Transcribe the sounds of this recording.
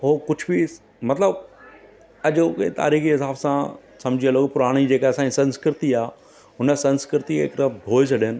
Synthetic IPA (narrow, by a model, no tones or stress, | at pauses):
ɦoːkʊd͡ʑʱbi | mɐt̪ləb | ɐʄkḛt̪a̰ːɾiːxiɦɪsaːbsã | sɐ̃md͡ʑʱiəloːɡpʊɾaːɽ̃id͡ʑeːkeɐsãːɲisɐ̃nskɪɾɪt̪iaː | ʊnə̆sɐ̃nskɪɾɪt̪iɪ̰kɾəd̪ʱoːesʰɐɗɪnɪ̆